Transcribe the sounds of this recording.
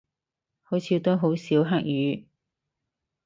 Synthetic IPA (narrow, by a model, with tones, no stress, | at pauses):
ho˨˥wt͡sʰiː˨˧˥t̪o˥ɦo˨˧˥wsiː˨˥wɦaː˥k̚jyː˨˥